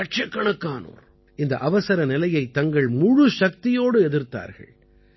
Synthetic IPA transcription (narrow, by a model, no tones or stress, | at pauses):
ɐʈ̚t͡ʃɐkːɐɳɐkːaːno̰ːɾ | ɪnd̪ɐʔɐʋɐsɐɾɐnɪlɐjɐɪt̪ːɐŋɡɐɭmʊɻuʂɐk̚t̪ɪjoːɽɯɛðɪɾt̪a̰ːɾɣɐ̰ɭ